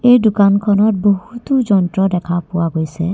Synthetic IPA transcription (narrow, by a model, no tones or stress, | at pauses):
ejdukankʰɔnɔt̚boɦut̪ud͡ʒɔntɹɔdɛkʰapʊwaɡojsɛ